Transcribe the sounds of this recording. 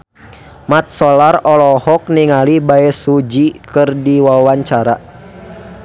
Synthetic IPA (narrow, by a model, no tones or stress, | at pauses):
mat̪̚sɔlarɔlɔhɔk̚niŋalibaɛsud͡ʒikɨrdiwawaɲt͡ʃaɾa